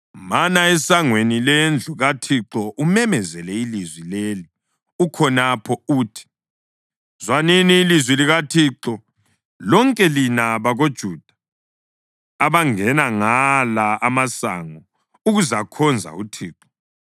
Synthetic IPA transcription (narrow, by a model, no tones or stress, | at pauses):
manaɛsaŋwenilɛnd͡ɮʱuɣatʰiǁɔʔumɛmɛzɛlɛilizwileːli | ukʰɔnapʰɔuːtʰi̥ | zwaniniːlizwiliɣatʰiːǁɔ | lɔŋkʼɛlinaβaɣod̥ʒ̥ʱud̥ʱḁ | βaŋɛnaŋalaamasa̰ŋɔ | uɣuzakʰɔnd͡zʱa̰utʰiːǁɔ̥